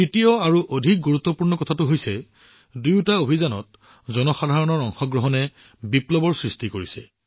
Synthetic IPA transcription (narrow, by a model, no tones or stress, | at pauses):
tɹitijɔaɹuʔodʱik̚ɡuɹut̪ːɔpuɹnɔkɔtʰatʊɦojsɛ | dujutaobʱizanɔ̰t̚ | zɔnɔxadʱaɹɔnɔɹɔŋxɔɡɹɔɦɔnɛ | biplɔbɔɹsɹistikoɹisɛ